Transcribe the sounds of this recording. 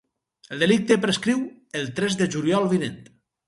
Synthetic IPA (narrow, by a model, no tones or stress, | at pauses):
elˠd̪elik̚t̪epɾeskɾiw | elˠt̪ɾɛzðeʒuljɔlˠβinent̪